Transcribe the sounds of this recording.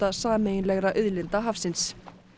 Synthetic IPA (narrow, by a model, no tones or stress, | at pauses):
t̪asaːmejɪnlɛɣɾaʔʏðlɪnt̪aɦafsɪns